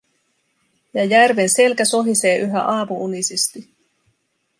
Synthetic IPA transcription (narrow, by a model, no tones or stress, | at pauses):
jɑjærʋe̞nse̞lkæso̞ɦise̞ːʔyɦæ̰ʔɑːmuunisist̪i